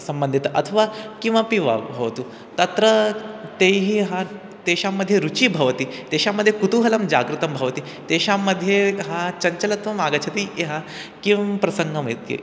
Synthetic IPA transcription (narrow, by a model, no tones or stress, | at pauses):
sɐmbənd̪ʱit̪əʔɐt̪ʰəʋakĩw̃ʋapiʋa̰bʱɐʋt̪u | t̪ɐt̪ɾət̪eɦiːɦa | t̪eɕamːəd̪ʱːjeɾut͡ɕiːbʱɐʋt̪iːt̪eɕaməd̪ʱjekut̪uɦɐlɐmd͡ʑaɡɾit̪ɐmbʱɐʋt̪iː | t̪eɕamːəd̪ʱːjeɦat͡ɕɐɲt͡ɕɐlɐt̪ʋɐmaɡat͡ɕʰɐt̪iːeɦa | kipɾɐsəŋɡʱəmɐit̪kḛ